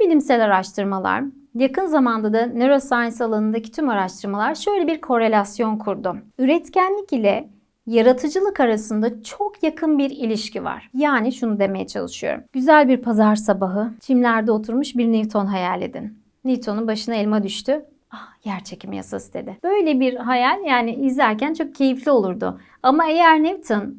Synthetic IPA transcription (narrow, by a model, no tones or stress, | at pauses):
bilʲimsɛlʲaɾaʃt̪ʰɯɾmalˠa̰ɾ | jakʰɯnzamand̪ad̪aneɾo̞sajnsalˠanɯnd̪acʰi̥t̪ʰymaɾaʃt̪ʰɯɾmalˠaɾʃø̞jlʲebiɾkʰo̞ɾe̞lʲasjo̞nkʰuɾd̪ʊyɾɛt̪cænlʲicilʲɛ | jaɾat̪ʰɯd͡ʒɯlˠɯkaɾasɯnd̪at͡ʃʰokʰjakʰɯnbiɾilʲiʃcʰiva̰ɾ̥jaːniʃunud̪e̞me̞jɛ̰t͡ʃʰa̰lˠɯʃɯjo̰ɾṵmɟ̥yzælʲbiɾpʰazaɾsabaɦɯt͡ʃʰimlʲæɾd̪ɛo̞t̪ʰuɾmuʃbiɾnivt̪ʰo̞nɦajalʲːḛd̪ḭnː | ivt̪ʰo̞nunbaʃɯnaɛlʲmad̪yʃt̪ʰy | ahj̥æɾt͡ʃʰecʰimja̰sast̪ʰe̞d̪ɪb̥ø̞jlʲɛbiɾɦajalʲjaːnɪizlʲæɾcʰænt͡ʃʰo̞k̚cʰe̞jiflʲio̞lˠuɾd̪ʊ̰ | amae̞jæɾnɛvt̪ʰɯn